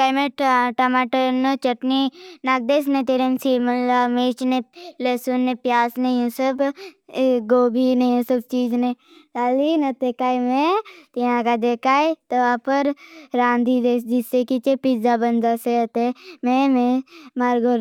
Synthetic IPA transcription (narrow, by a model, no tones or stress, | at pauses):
kaːmẽʈʈɐmaːʈəɾnət͡ʃəʈninaːɡ̚d̪eːsnẽt̪eɾensiməlameːt͡ʃnelesunːepjaːsnejũsəb | ɡoːbʱinejũsəbt͡ʃiːd͡ʒne | t̪aːlinɐt̪ekaːimẽt̪iãkad̪eːkaːit̪oapəɾɾãːnd̪ʱid̪eːsd͡ʒɪsekit͡ʃepɪzabɐnd͡ʒaseət̪emẽmẽmaɾɡoɾ